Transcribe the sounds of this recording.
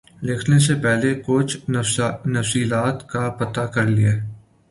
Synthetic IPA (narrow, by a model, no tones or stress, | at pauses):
lɪkʰnesepɛɦlekʊt͡ʃʰ | nɐfsiːlaːt̪kapɐt̪akɐɾlieː